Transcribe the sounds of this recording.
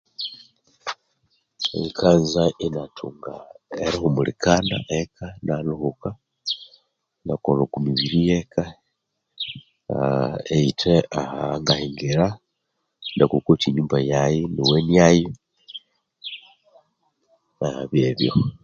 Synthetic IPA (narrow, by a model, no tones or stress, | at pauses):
ḛikʰanzaʔinatʰuŋɡaeɾixumulikʰana̰ʔekʰanaluhuka | nakolokumiβiɾijeka | eitʰeahaŋɡahiŋɡeɾa | ndakukutiɲuːmbajajiniwenijaji | ahaβjeβjo̰